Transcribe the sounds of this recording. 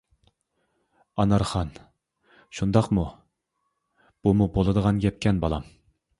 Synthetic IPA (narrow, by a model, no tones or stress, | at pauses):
ɑnɑɾχɑn | ʃund̪ɑqmu | b̥umubolˠɨd̪əʁɑnɡʲɛp̚kʲɛnbɑlˠɑ̰m